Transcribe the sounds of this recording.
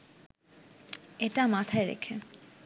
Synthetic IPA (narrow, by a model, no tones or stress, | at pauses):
eʈamat̪ʰaeɾḛkʰḛ